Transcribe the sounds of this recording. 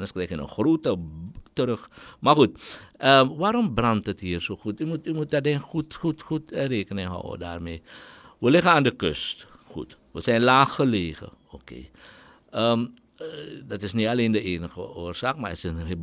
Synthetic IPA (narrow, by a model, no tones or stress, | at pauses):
nəskrɛjkənə̰nxroːtətəɾəxmarxutəʋaːɾɔmbrɑntəthiːərsoːxutymutymut̚dadeːnxutxutxutəreːkənɪŋɦɔ̰wə̰da̰ːrmeːʋəlɪɣənaːndəkø̰st | xṵt | ʋəsɛnlaːxəleːɣə̰okḛː | ə | dɑtɪsnitaleːndəeːnəxəʔoːrsaːkmaətɪ